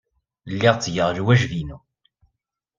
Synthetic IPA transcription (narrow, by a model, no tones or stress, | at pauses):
lːɪʁt͡sːjəʁlwæʒvinu